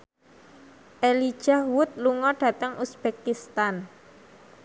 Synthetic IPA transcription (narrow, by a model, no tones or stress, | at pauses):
ʔelid̥ʒ̥ahwʊt̪̚luŋɔɖ̥ä̤t̪əŋʔusb̥ekist̪an